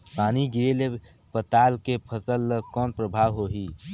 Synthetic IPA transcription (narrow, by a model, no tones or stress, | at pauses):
paːniɡiɾele | pət̪aːlkepʰəsəlkɔːnpɾəbʱaːʋɦoɦi